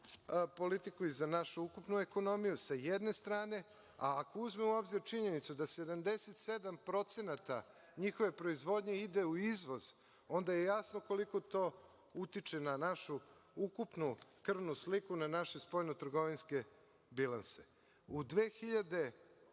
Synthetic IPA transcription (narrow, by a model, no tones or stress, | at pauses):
po̞lit̪ikuizanaʃuukupnueko̞no̞mijusajed̪ne̞st̪ɾaːne | a̰ːkouzmeuo̞bziɾt͡ʃiɲe̞nit̪sud̪ased̪amd̪eset̪sed̪ampɾo̞t̪se̞nat̪a | ɲixoʋe̞pɾo̞izʋo̞d̪ɲe̞id̪e̞uizʋo̞z | o̞nd̪ajejasnoko̞liko̞t̪o̞ː | ut̪it͡ʃenanaʃuukupnukr̩nuslikunanaʃe̞spo̞jnot̪r̩ɡo̞ʋinske̞ | bilˠanse | ud̪ʋeːxiʎad̪e̞